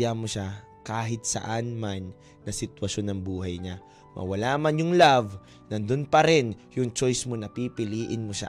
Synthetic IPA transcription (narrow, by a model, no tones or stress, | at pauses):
jamoʃa | kaːɦɪt̪̚sɐ̰ʔanmanː | ɐsɪt̪wɐʃo̞nːɐŋbuːɦɐjɲa | mʔɐ̰wɐlamanjʊŋlav | nɐd̪ʊnpɐɾɪnjʊŋt͡ʃojsmonɐpipɪliːʔɪnmoʃa̰